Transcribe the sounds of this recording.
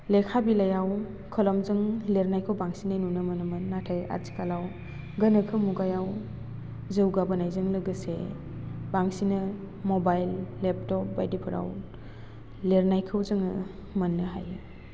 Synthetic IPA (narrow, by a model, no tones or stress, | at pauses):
lekʰabilajaw | kʰɔlɔmzɯŋleɾnajkʰɯwbaŋsinajnunɯmɯnɯmɯnːatʰaja̰si̥kʰalaw | ɡɐnɯkʰɯmuɡajaw | zɯwɡabɐnajzɯŋlɯɡɯsḛ | baŋsinɯ | mɔbajlːep̚tɔp̚ba̰jdipʰɯɾa̰w | leɾnajkʰɯwzɯŋɯ | mɐnːɯɦa̰jɯ